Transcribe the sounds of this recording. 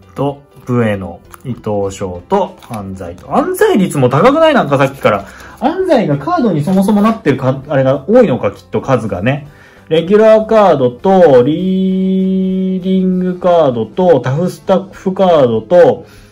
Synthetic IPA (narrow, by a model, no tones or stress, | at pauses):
t̪o̞ | bɯ̟e̞no̞̰it̪o̞ːɕo̞̰ːt̪o̞ãnd͡za̰it̪o̞ãnzaiɾʲit͡sɨmo̞t̪akakɯ̟nainãŋkasakʲːi̥kaɾaãnd͡zaiɡakaːd̪o̞ɲ̟iso̞mo̞so̞mo̞nat̪ːe̞ɾɯ̟kaaɾe̞ɡaoːino̞kakʲi̥t̪ːo̞kazɨɡa̰ne̞ | ɾe̞ɡʲyɾaːkaːd̪o̞t̪o̞ɾʲiː | d̪ʲĩŋɡɯ̟kaːd̪o̞t̪o̞t̪aɸɯ̟sɨ̥t̪aɸɯ̟kaːd̪o̞t̪o̞